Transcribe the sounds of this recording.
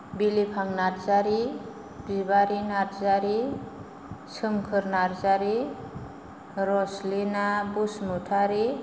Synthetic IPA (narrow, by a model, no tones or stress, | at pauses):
bilipʰaŋnaɾzaɾi | b̥ibaɾinaɾzaɾi | sɯmkʰɯɾnaɾzaɾi | ɾɔslinabusmutʰaɾi